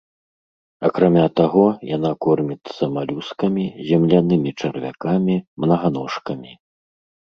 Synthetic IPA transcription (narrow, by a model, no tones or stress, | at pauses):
ɐkɾamʲat̪aɣɔjanakɔrmʲit̪sɐmalʲuskɐmʲizʲɛmlʲanɨmʲit͡ʂɐrvʲa̰kamʲimnɐɣanɔʂkɐmʲi